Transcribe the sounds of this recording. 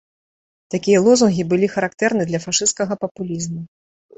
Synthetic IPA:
t̪akʲijɐlˠɔzunɣʲibɨlʲixɐɾakt̪ɛɾnɨd̪lʲɐfaʂɨst̪̚kɐɣɐpɐpulʲizmu

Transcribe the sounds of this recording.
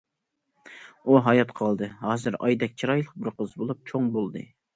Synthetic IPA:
uɦɑjɑt̪qʰɑlˠd̪ɨɦɑːzɨɾɑ̰jd̪ɛk̚ʲt͡ʃʰiɾɑjlˠəq̚bɪɾqʰəzbolˠup̚t͡ʃʰoŋbolˠd̪ɨ̰

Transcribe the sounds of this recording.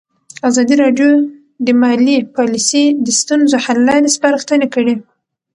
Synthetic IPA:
azɑd̪iɾɑɖjo | d̪əmɑlipɑlisid̪əst̪unzohalːɑɾespaɾəxt̪ənekəɽi

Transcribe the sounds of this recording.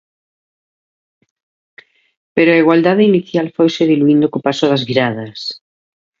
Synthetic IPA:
peɾoaiɣwald̪aðeiniθjalfojsɪðiluind̪okopasʊðɐzβiɾaðɐs

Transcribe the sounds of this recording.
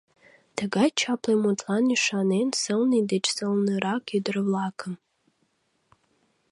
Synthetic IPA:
d̥ʰaɡajt͡ʃʰapʰlajmotʰʼlaniʂanensɨlnɨidet͡ʃʰʼsɨlnɨɾakʰidɨrɨvlaːkʰɨm

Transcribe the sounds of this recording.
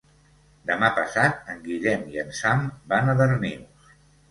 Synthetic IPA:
d̪əmapəsat̪̚əŋɡiʎɛmiənsambanəðərniws

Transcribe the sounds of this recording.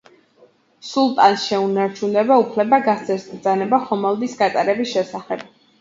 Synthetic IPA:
sulˠt̪ʼansʃɛunaɾt͡ʃʰunɛbaupʰlɛbaɡast̪sʰɛɾsɡɾd̪zanɛbaχɔmɛlˠd̪isɡat̪ʼaɾɛbisʃɛsaχɛb̥̚

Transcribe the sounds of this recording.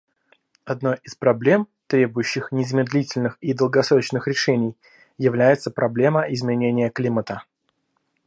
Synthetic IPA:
ɐd̪no̞jʔɪspɾɐblʲe̞mt̪ɾʲe̞bʊjʉɕːɪxnʲɪzmʲɪd̪lʲitʲɪlʲnɨxid̪əlˠɡɐsɾo̞t͡ɕnɨxɾʲɪʂɛnʲɪj | jɪvlʲæjɪt̪səpɾɐblʲe̞məʔɪzmʲɪnʲenʲɪjəklʲimət̪ə

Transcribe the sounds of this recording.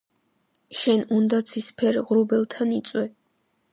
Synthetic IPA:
ʃɛnund̪at̪sʰispʰɛɾʁɾubɛlˠt̪ʰanit̪sʼwɛ

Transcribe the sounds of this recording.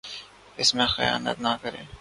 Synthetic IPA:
ɪsmẽxɐja̰ːnə̰t̪nɐkɐɾḛː

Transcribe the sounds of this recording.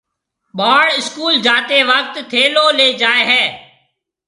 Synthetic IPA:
ɓaːɽɪskuːld͡ʒaːt̪eːʋəkt̪t̪ʰeːloːleːd͡ʒaːeːɦɛː

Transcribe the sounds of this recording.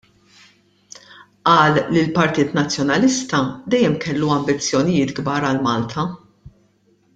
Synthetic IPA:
ʔɐːlːilpɐɾt̪iːt̪nɐt͡sːjɔnɐlɪst̪ɐd̪ɛjːɛmkɛlːuɐmbɪt͡sːjɔnɪjɪːt̪ɡbɐːɾɐlmɐːlt̪ʰɐ

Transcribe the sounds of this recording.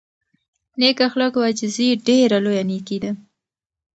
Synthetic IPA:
nekaxləkwad͡ʒɪziɖeɾalojanekid̪a

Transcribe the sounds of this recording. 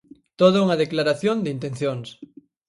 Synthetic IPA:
t̪oðauŋaðeklaɾaθjond̪eint̪enθjoŋs

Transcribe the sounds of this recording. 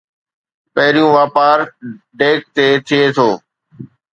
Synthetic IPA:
pɐɦɪɾijũʋaːpaːɾ | ɖeːk̚t̪eːt̪ʰɪet̪ʰoː

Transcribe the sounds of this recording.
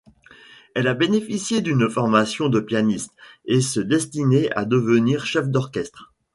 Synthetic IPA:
ɛlabenefisjed̪ynfɔʁmasjɔ̃d̪əpjanist̪esəd̪ɛst̪inea̰d̪əvəniːʁʃɛfd̪ɔʁkʲɛst̪χ

